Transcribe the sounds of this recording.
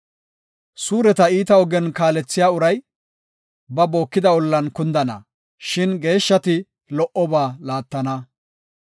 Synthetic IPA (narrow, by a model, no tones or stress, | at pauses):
suːɾɛt̪ɐiːt̪ɐɔɡɛnkaːlɛt͡sːɪjaːʊɾɐj | bɐbo̞ːkːɪd̪ɐwɔlːɐnkʊnd̪ɐnɐ̰ | ʃɪnɡe̞ːʃːɐt̪ɪ | lɔʔɔbaːlaːt̪ːɐnɐ